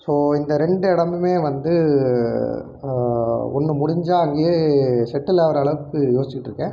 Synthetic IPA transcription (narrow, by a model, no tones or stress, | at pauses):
soːɪnd̪ɐɾɛɳɖɯɛɽɐmɯmeːʋɐnd̪ɯ | ɔ̰nːɯmʊɽɪɲd͡ʒaːɐŋɡejeʃɛʈːɯlɐːʋɐɾɐɭɐʋɯkːɯjoːsɪt͡ɕɪkɪʈːɾɯkːɛ̃ː